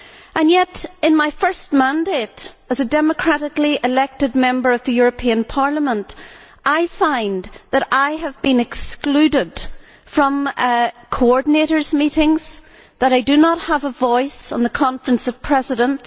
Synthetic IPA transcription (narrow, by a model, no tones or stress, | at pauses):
ʔə̃njɛɾɨ̃nmaɪfɜ˞st̚mæ̃ndeɾəzɨdɛmɨkʰɹ̥aɾɪkliʔɪlɛk̚tɨd̚mɛ̃mbə˞ʌvðɨjʊɹɨpʰiɨ̃npʰaɹlˠəmə̃nt | ʔaɪfãɪ̃nðəɾaɪəvbĩnɨksklʉdɪd̥ | fɹʌ̃mkʰoɔɹdⁿn̩eɾə˞zmiɾɪ̃ŋz̥ | ðəɾaɪdɨnət̚həvəvɔɪsn̩ðəkʰɑ̃ɱfɹə̃nsʌv̥pʰɹ̥ɛzɪɾə̃nt